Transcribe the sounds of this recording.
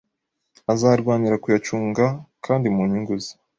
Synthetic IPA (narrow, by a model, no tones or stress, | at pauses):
azaːɾɡwaːniɾakujat͡ʃuːŋɡakʰaːndimuɲiŋɡuzi̥